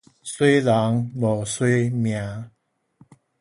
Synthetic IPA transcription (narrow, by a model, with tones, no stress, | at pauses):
swe˦jla˨˦ŋbɔ˨˩swe˦mjã˨˦